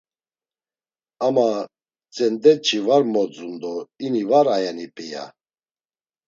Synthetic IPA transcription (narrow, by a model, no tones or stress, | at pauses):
ama | t͡sʼɛnd̪ɛt͡ʃʰʼivaɾmɔd͡zund̪ɔinivaɾajɛnipʼɛja̰